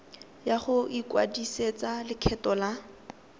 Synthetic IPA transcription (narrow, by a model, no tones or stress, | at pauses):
jaχʊʔikwa̰diset͡salɪkʰɛtɔla